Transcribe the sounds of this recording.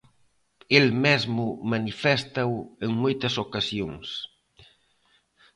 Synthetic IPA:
elmezmʊmanifɛst̪aweŋmojt̪ɐsokasjoŋs

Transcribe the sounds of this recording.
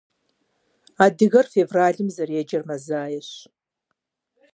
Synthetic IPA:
aːdɨɣɐrfevraːɮɨmzɐred͡ʒɐrmɐzaːjɛɕ

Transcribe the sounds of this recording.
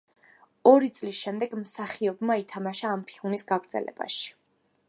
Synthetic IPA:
ɔɾit̪sʼlisʃɛmd̪ɛɡmsaχiɔbmait̪ʰamaʃaːmpʰilˠmisɡaɡɾd̪z̥ɛ̰lɛ̰b̥a̰ʃi̥

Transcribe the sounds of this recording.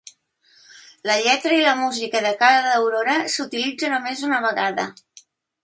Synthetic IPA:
ləʎɛt̪ɾəiləmuzikəðəkaɾəðəwɾoɾəsut̪ilid͡zənomezunəβ̞əɣaðə̰

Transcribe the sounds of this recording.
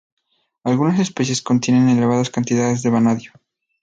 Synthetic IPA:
alɣunas̬e̞spe̞sje̞sko̞nt̪je̞ne̞ne̞le̞β̞aðaskant̪iðaðe̞zðe̞βanaðjo

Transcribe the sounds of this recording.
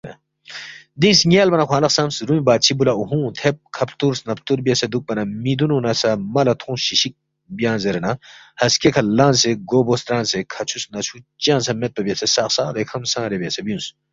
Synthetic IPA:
d̪ĩnsŋʲaːlbɐnɐkʷwaːnɐksɐmsɾumibaːt̪t͡ʃʰibulauɦũːt̪ʰep̚kʰɐpʰt̪uɾsnɐpʰt̪uɾbijɐsed̪uk̚pɐnɐmid̪ununɐsɐmɐlɐt̪ʰũːɕiʃik̚ | bijãːnzeɾɐnɐ | hɐskekʰɐlãːnseɡoːboːst̪ɾãːnsekʰɐt͡ʃʰusnɐt͡ʃʰut͡ʃãːnsɐmet̪̚pɐbʲijɐsʰesaːksaːd̪ekʰɐmsãːɾebijɐsɐbjũːns

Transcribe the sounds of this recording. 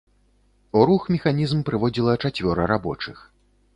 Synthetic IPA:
uɾuxmʲɛxanʲizmpɾɨvɔd͡zʲilˠɐt͡ʂat͡sʲvʲɔɾɐɾabɔ̰t͡ʂɨx

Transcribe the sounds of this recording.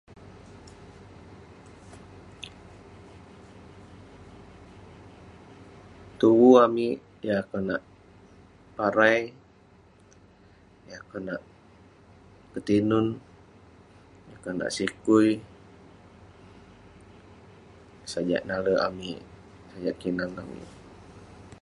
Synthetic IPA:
t̪uwuamiʔ | jaːkanaʔ | paɾaj | jaakanaʔ | kət̪inʊn | jakana̰ʔsikuj | sad͡ʒa̰ʔnaləa̰miʔ | sad͡ʒaʔkinaŋa̰mḭʔ

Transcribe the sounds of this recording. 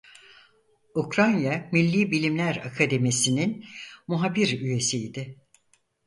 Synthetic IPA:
ukɾanjamilʲːiːbilʲimlʲæɾakʰad̪e̞misininmuɦabiɾyje̞sijd̪ɪ

